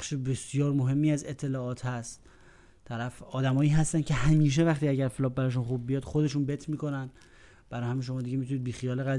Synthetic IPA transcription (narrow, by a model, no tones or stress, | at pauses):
ʃebe̞sjɒːɾmo̞ɦe̞mːiːæze̞t̪ʰːe̞lɒːɒːt̪ʰhæst̪ | t̪ʰːæɾæfɒːd̪æmɒːiːɦæst̪æncʰe̞hæmiːʃ̬e̞væxt̪iːæɟæɾfelɒːp̚bæɾɒːʃ̬unχub̚ːijɒːd̪̥xo̞d̪e̞ʃuːnbet̪ʰmiːko̞næn | b̥æɾɒːjhæmiʃ̬o̞mɒːd̪iɟeit̪ʰuniːd̪̚biːxijɒːleɣæ